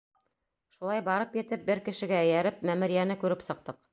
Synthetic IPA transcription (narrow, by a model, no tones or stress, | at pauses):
ʃulˠɑjbɑɾɤpjɘ̆t̪ɘp̚bɘɾkɘ̆ʃɘ̆ɡæ̆ːjæɾɘp̚mæmɘ̆ɾijænɘkʉɾɘpsɤ̆q̚t̪ɤq